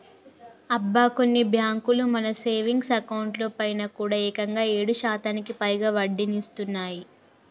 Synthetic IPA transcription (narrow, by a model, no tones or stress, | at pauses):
ɐbːaːko̞nːibʱjaːŋkulumɐnɐse̞ːʋiŋɡsɐkɐwuɳʈlo̞ːpɐjnɐkuːɽaːɛːkɐŋɡaːe̞ːɽuʃaːt̪aːnikipɐjɡaːʋɐɖːinist̪unːaːji